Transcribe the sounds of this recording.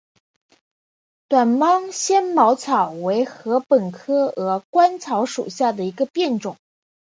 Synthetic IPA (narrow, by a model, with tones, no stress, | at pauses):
t̪wa˨˩nmɑ˥ŋɕjɛ˥nmɑ˧˥ʊt͡sʰɑ˨˩ʊwe˧˥ɪxɤ˧˥pə˨˩nkʰɤ˥ɤ˧˥kwa˥nt͡sʰɑ˧˥ʊʂṵ˨˩ɕja˥˩d̪ə˩i˧˥ɡə˧pjɛ˥˩nʈ͡ʂʊ˨˩˦ŋ